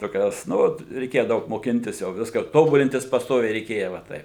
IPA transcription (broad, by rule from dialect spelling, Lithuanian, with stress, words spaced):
toːˈkʲoːs ˈnʊ ʋɐt rʲɛɪˈkʲeːjɛ ˈdɐʊk moːˈkʲɪnʲtʲɪs jɛʊ ˈʋʲɪskɐ ˈtoːbʊlʲɪnʲtʲɪs pɐsˈtoːʋʲɛɪ rʲɛɪˈkʲeːjɛ ʋɐ ˈtɐɪp